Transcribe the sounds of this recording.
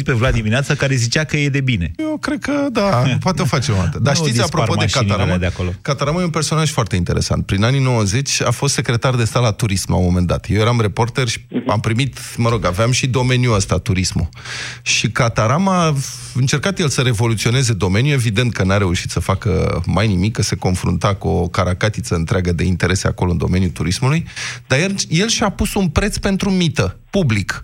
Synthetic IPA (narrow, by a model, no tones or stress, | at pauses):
pevlad̪imineat̪sakaɾe̞zit͡ʃakəje̞d̪e̞bine̞jewkɾe̞d̪̚kəd̪apwat̪eofat͡ʃeonat̪əd̪aʃt̪it̪ʲapɾopo̞d̪ekat̪aɾamad̪eakolokat̪aɾamajeunpe̞rso̞naʒ̥foart̪eint̪e̞ɾe̞̰sa̰nt̪̚pɾinanino̞wəze̞t͡ʃʲa̰fo̞st̪sekɾe̞t̪ard̪e̞st̪at̪lat̪uɾismla̰wmo̞me̞nd̪a̰t̪je̞wje̞ɾamrepo̞rt̪erʃi̥a̰mpɾimit̪ | məɾo̞ɡaveamʃid̪o̞me̞njuəst̪at̪uɾismṵ | ʃikat̪aɾama | ɨnt͡ʃe̞rkat̪jelsəɾe̞vo̞lut̪sio̞ne̞ze̞d̪o̞me̞njue̞vid̪e̞nt̪̚kənaɾe̞uʃi̥t̪səfakə̰majnimikːəse̞ko̞nfɾṵnt̪akuokaɾakat̪it̪səɨnt̪ɾeaɡəd̪e̞int̪e̞ɾe̞sea̰ko̞lo̞ɨnd̪o̞̰me̞njut̪uɾismulujd̪ajelje̞lʃiapusunpɾe̞t̪spe̞nt̪ɾumit̪əpublik